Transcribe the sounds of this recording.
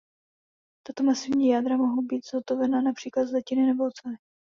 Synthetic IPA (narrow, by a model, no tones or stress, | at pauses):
t̪at̪o̞masɪvɲiːjaːd̪ɾamoɦowbiːt̪z̥ɦot̪ovɛnanapr̥iːklat̪zlɛcɪnɪnɛbolt͡sɛ